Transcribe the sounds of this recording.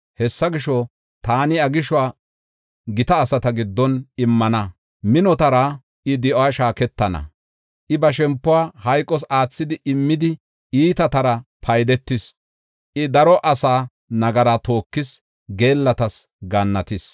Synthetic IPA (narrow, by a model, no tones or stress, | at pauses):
hɛsːɐɡɪʃɔ | t̪aːnɪɐɡɪʃɔwaː | ɡɪt̪ɐːsɐt̪ɐɡɪd̪ːɔnɪmːɐnɐ | mɪnɔt̪ɐɾɐ | ʔɪd̪ɪʔowaʃaːkɛt̪ːɐnɐ̰ | ʔɪbɐʃ̬ɛmpːʊwaːhɐjkʼːɔs̬aːt͡sːɪd̪ɪʔɪmːɪd̪ɪ | iːt̪ɐt̪ɐɾɐpʰɐjd̪ɛt̪ːɪs | ʔɪd̪ɐɾɔʔɐsaː | nɐɡɐɾat̪o̞ːkːɪs | ɡe̞ːlːɐt̪ɐs | ɡɐnːɐt̪ɪs